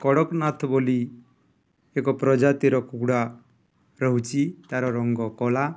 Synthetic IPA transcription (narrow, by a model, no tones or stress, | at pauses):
kɔɽɔknat̪ʰɔboli | ekɔpɾɔd͡ʒat̪iɾɔkukɽa | ɾɔɦut͡ʃʰit̪aɾɔɾɔŋɡɔkɔla